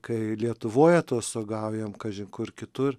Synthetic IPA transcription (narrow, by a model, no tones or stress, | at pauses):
kɐɪlʲiɛt̪ʊʋoːjɛt̪oːsoːɡɐʊjɛmkɐʒʲɪŋkʊrkʲɪt̪ʊr